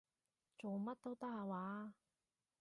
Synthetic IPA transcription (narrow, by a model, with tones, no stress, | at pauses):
t͡so˨wmɐ˥t̚t̪o˥wt̪ɐ˥k̚haː˧waː˨˥